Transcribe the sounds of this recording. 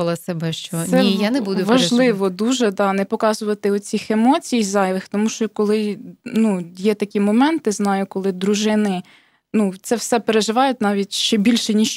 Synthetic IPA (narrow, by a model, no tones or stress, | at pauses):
ɐlˠɐsebɛʃt͡ʃɔɛijanɛbud̪ʊʋɐʒlˠɪʋɔd̪uʒɛd̪ɑnɛpɔkɑzʊʋɐt̪ɪɔt͡sʲixemɔt͡sʲijizɑjʋˠɪxt̪ɔmuʃt͡ʃɔkɔlˠɪnujɛt̪ɐkʲimɔmɛnt̪ɪznɑjʊkɔlˠɪd̪ɾuʒɪnɪ | nut̪sɛwsɛpeɾeʒɪʋɑjʊt̚ʲnɑʋʲitʲʃt͡ʃɛbʲilʲʃɛnʲiʃ